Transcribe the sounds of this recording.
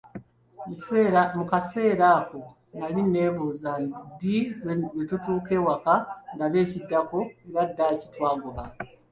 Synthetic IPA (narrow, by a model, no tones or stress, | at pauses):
mukase̞ːɾaːko̞ | naline̞ːβuzadiwetutuːke̞ːwakaŋdaβe̞ːcidːako̞eɾadːacitwaːɡoβa